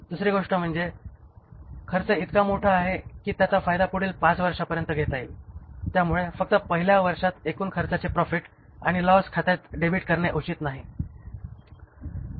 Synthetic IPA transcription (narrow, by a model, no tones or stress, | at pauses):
d̪usɾiːɡoʂʈəm̤əɳd͡ze | kʰəɾt͡səit̪kamoʈʰəaɦekiːt̪jat͡safajd̪apuɽiːlpat͡sʋəɾʂapəɾjənt̪əɡʱet̪ailt̪jamuɭefək̚t̪əpəɦiljaʋəɾʂat̪ekuːnkʰəɾt͡sat͡sepɾɔfiʈ | a̰ɽ̃ilɔskʰat̪jet̪ɖebʱiʈkəɾɳeʔut͡ɕiːt̪naɦi